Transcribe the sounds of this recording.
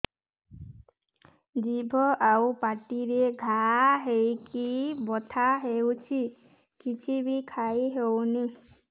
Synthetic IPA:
d͡ʒibʱɔʔawpaʈiɾeɡʱaɦejkibɔt̪ʰaɦewt͡ʃʰi | kit͡ʃʰibikʰajɦewni

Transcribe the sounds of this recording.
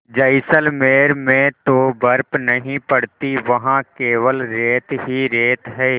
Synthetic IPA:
d͡ʒɐɪsəlmeːɾmẽt̪obɐɾpnɐɦĩpəɽt̪iʋɐɦãkeːʋəlɾeːt̪ɦiɾeːt̪ɦɛː

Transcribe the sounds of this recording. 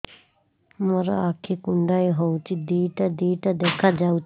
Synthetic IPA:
məɾa̰aːkʰekʊɳɖaːiɦout͡ʃid̪iːʈad̪iːʈad̪eːkʰad͡ʒaːut͡ʃ

